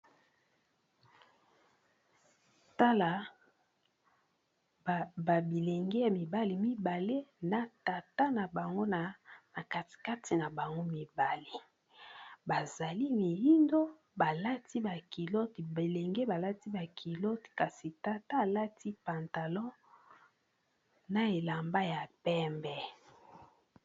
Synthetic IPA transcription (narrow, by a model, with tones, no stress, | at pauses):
ta˦la˨ | ba˨bi˨le˨ŋɡe˦ja˨mi˨ba˦li˨mi˦ba˨le˦na˨ta˨ta˦na˨ba˨ŋɡo˦na˨na˨ka˨tka˦ti˨na˨ba˨ŋɡo˦mi˨ba˨le˦˨ | ba˨za˨li˦mi˨ji˦ndo˦ | ba˨la˦tʰi˦ba˨ki˨lo˦tbe˨le˨ŋɡe˦ba˨la˦ti˦ba˨kʰi˨lo˦tka˨si˨ta˨ta˦a˨la˦tʰi˦pa˨nta˨lɔ̃˦ | na˨e˨la˨mba˦ja˨pɛ˦mbɛ˨